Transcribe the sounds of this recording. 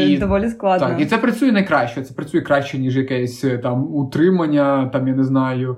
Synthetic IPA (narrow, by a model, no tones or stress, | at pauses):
id̪ɐvolʲɪsklˠad̪aknʲit̪ʲɛpɾɐt̪sujɛnɐjkɾaɕːɛjt̪ʲɛ̥pɾɐt̪sujɛkɾaɕʲːɛnʲiʐɨjɐkɛjɛsʲt̪amut̪ɾɨmɐnʲːɐt̪amjanʲɛznajʊ